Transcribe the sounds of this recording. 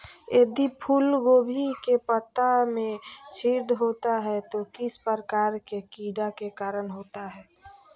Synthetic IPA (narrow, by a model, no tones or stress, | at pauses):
jed̪ipʰulɡoːbʱikepət̪ːamẽt͡ʃʰid̪ɦoːt̪aɦɛt̪okɪspəɾəkaːɾkekiɖakekaːɾənɦoːt̪aɦɛː